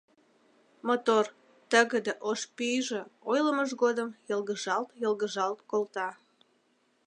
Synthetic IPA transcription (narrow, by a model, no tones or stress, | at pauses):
mot̪or | t̪əɣəd̪eʔoʃpyjʒeojləməʒɣod̪əmjəlˠɣəʒɑlt̪jəlɣəʒɑlt̪kolt̪ɑ